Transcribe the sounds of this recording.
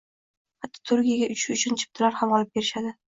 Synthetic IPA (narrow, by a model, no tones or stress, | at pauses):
hat̪ʰːɒ̥t̪ʰʊɾɡʲijaɡʲaʔʊt͡ʃʰɪʊt͡ʃʰʊnt͡ʃʰɪ̥p̚t̪ʰɪlaɾhamɒlˠɪp̚be̞ɾɪʃad̪ɪ